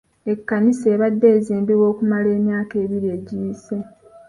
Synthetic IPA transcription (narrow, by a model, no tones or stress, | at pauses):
e̞kːanise̞ːβadːe̞ːziːmbiwo̞ːkumale̞ːmjaːke̞ːβiɾie̞ːɟiːse̞